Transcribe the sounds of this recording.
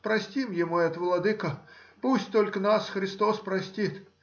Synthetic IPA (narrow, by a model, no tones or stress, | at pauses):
pɾɐsʲtʲimjɪmojɐt̪vlˠɐd̪ɨkəpusʲtʲt̪olʲkənasxɾʲɪst̪ospɾɐsʲtʲit̪